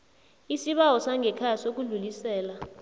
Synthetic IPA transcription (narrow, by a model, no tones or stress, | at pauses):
isiɓawɔsaŋʱɛkʰajasok̬uɮulisɛːla